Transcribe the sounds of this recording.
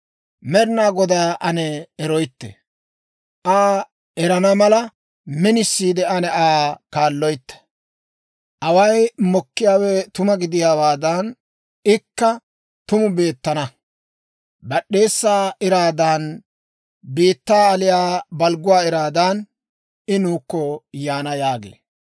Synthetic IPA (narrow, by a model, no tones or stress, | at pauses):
mɛɾɪnaːɡɔd̪aːʔɐnɛːɾɔjt̪ːɛ̰ | ʔaː | ʔɛɾɐnɐmɐlɐ | mɛnɪsːiːd̪ɛɐnɛaːkaːlːɔjt̪ːɐ̥ | ʔɐwɐjmɔkːɪjaːwɛt̪ʊmɐɡɪd̪ɪjaːwaːd̪ɐn | ɪkːɐ | t̪ʊmʊbe̞ːt̪ːɐnɐ | bɐɗːe̞ːsːaːɪɾaːd̪ɐn | biːt̪ːaːlɪjaːbɐlɡʊwaːɪɾaːd̪ɐn | ɪnuːkːɔjaːnɐjaːɡḛː